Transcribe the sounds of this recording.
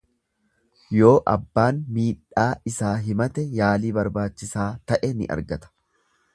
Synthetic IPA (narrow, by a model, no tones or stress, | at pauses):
jo̞ːʔɐ̰bːaːnmiːᶑːaːɪsaːɦɪmɐt̪ɛjaːliːbɐɾbaːt͡ʃːɪsaːt̪ɐʔɛnɪ̰ʔɐ̰ɾɡɐt̪ɐ̥